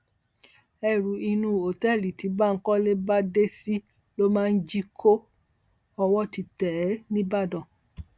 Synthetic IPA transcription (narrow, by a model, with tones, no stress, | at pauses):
ɛ˦˨ɾu˨i˧nũ˧o˨tɛ˦˨li˨ti˨˦ba˦˨ŋ̩˦kɔ˦le˦ba˦de˦si˦ | lo˦mãː˦˧˦d͡ʒi˦kʰo˦ | ɔ˧wɔ˦ti˧tɛ˨˦nĩ˦ba˦˨dɔ̃˨